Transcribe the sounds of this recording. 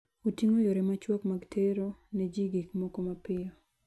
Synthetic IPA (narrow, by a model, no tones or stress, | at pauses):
otiŋojoɾɛmat͡ʃwɔkmaɡtʰeɾoned͡ʒiɡikmɔkomapɪɔ